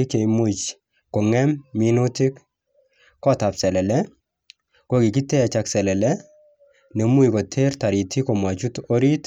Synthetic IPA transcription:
i˦ke˨jmut͡ʃ | kɔ˨ŋɛmːi˦nʊ˦ti˦k | kɔ˦ta˨psɛ˨lɛ˨lɛ˦ | ko˦ki˨ki˦tɛ˦a˨t͡ʃaksɛ˨lɛ˨lɛ | nɛ˨mu˦jkɔ˨tʰe˦rta˨ɾi˨tʰi˦kɔ˨mwa˨t͡ʃu˦to˦ɾi˦t

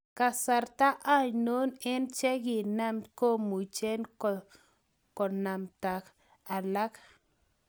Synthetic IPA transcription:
ka˧sa˨˧ɾt̪a˦ʔa˦ɲno˦ne˦nt͡ʃe˦ɡi˨na˦mko˦mu˨t͡ʃe˦nko˨ | ko˨na˨mt̪a˨k | a˨la˦k

